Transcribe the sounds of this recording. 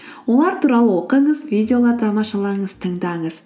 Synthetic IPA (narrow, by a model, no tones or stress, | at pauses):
wo̞lˠɑɾt̪ʰuɾɑlˠəwoqəɴəzvijd̪ʲeo̞lˠɑɾt̪ʰɑmɑʃɑlˠɑɴəzt̪ʰəɴd̪ɑɴəz